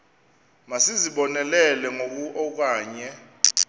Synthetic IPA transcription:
masiziɓɔnɛlɛlɛŋok̬uʔɔk̬aːɲɛ

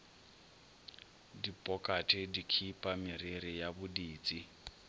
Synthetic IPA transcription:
dipʼɔkʼatʰʼɛdikʰipʼamɪɾiɾɪjabʊdiːt͡sʼi

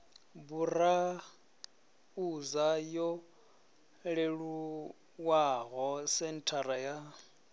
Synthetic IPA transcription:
bura | uzajɔ | ɺeɺu | waɣɔsɛn̩tʰaɾaja

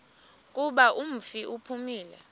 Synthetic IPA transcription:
k̬ʼuɓaʔum̩fiʔupʰumiːlɛ

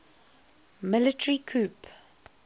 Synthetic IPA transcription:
mɪlɪtəɹikʰuːp

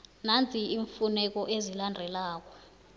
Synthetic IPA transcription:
nant͡sʼʰiiɱfunɛk̬ɔʔezilandʱɛlaːk̬ɔ

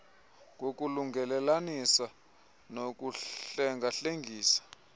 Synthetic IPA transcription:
ŋok̬ʼuluŋɡʱɛlɛlanisa | nok̬uɛŋʱaɬeŋɡʱiːsḁ

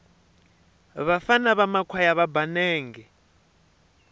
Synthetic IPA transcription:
βafanaβamakʰwajaβabanɛːŋɡɛ

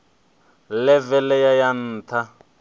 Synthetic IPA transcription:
lɛvɛlɛjajan̩ːt̪ʰa

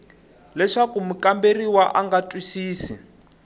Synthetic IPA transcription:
lɛʂakumukamberiwaʔaŋɡatʼwisiːsi

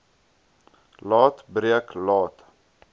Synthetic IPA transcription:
lɑːtbɾiəklɑːt

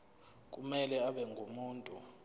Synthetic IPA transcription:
k̬ʼumɛlɛaɓɛŋɡʱumuːntʼu

